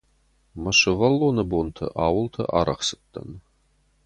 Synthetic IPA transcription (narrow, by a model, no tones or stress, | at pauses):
mɐɕɐvɐlːonɐbont̪ʰɐ̰ʔaːwʊlt̪ʰɐ̰ʔa̰ːɾɐχsɨ̥t̪ːɐ̰n